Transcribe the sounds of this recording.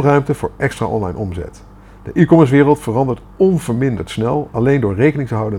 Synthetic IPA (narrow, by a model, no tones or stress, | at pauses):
rœɥmtəvʊ̰ːɹʔɛkstra̰ːʔɔ̰nlɑ̰jnʔɔmzɛ̰t | d̥ə̰ʔikoməɹs̬ʋɪːrəlˠtfərɑndəɹt | ɔnvəɹmɪndə̰ɹtsnɛlˠɑlejndʊːɹrejkənɪŋtəɦɑwdən